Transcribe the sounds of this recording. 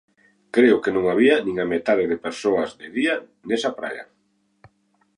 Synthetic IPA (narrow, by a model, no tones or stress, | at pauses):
kɾeʊkenõŋaβiɐnĩŋamet̪að̞eðepeɾsoɐzd̪ɪðia | nesɐpɾa̰ʎɐ̰